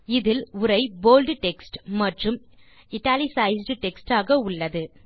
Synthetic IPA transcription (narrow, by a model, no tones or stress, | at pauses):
ɪðɪlʊɾɐɪboːlɖʈɛksʈmɐʈrɯm | ɪʈːaːlisɐɪsɖɯʈɛksʈaːɣɐʊɭːɐðɯ